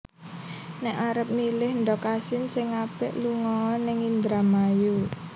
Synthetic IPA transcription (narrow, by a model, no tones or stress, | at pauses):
nɛʔaɾəp̚milɪhnd̪ɔkasɪnsɪŋːapɪʔluŋɔːnɪŋind̪ɾamaju